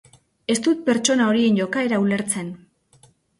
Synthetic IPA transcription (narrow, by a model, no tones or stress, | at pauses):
e̞st̪ut̪̚pe̞ɾt͡ʃo̞nao̞ɾie̞nʝo̞kae̞ɾaule̞ɾt͡se̞n